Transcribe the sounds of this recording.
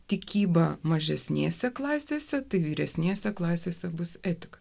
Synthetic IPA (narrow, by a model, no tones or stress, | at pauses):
t̪ʲɪkʲiːbɐmɐʒʲɛsʲnʲḛːsʲɛklˠɑːsʲeːsʲɛt̪ɐɪʋʲiːɾʲɛsʲnʲeːsʲɛklˠɑːsʲeːsʲɛbʊsæt̪ʲɪkɐ̥